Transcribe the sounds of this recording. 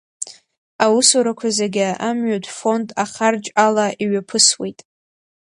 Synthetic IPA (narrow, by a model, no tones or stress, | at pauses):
awusoɾakʷʰazeɡʲaamɥatʷʰʼfo̞ndʼaχard͡ʒʼalaʔiɥapʰɨswe̞jtʼ